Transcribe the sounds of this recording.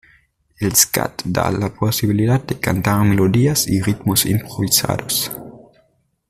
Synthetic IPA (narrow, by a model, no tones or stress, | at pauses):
elska̰t̪d̪a̰laposiβiliðad̪̚d̪ekant̪aɾmeloðiasirit̪mosimpɾoβisa̰ðos